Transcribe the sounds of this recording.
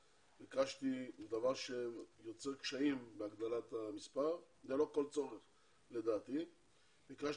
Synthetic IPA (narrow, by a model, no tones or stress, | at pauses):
pikaʃt̪id̪avaʁʃejo̞t͡seʁkʃaimbeaɡd̪alat̪amispaʁ | zelo̞ko̞lt͡so̞ʁeχ | le̞d̪aːt̪i | pikaʃ